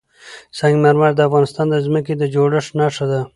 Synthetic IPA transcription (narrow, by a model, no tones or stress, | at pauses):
saŋɡmaɾmaɾd̪əafɣɑnɪst̪ɑnd̪əzmək̬ed̪əd͡ʒoɽəʂnɑʂad̪a